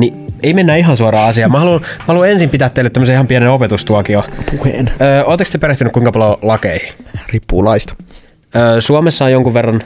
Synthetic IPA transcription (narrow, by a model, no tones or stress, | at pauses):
nieimenːæːiɦɑnsuoɾɑːɑsiɑːmɑhɑluɑnmɑhɑluɑensimpit̪æːt̪ːeːlːet̪ːæmːseːihɑmpieneopet̪ust̪uɑkiopuhḛːnøːoːt̪ekst̪epeɾeht̪ynykuiŋkɑpɑljolɑkeihiripːuːlɑist̪ɑ̥ | øːsuomesːɑːjoŋkuʋʋerːɑn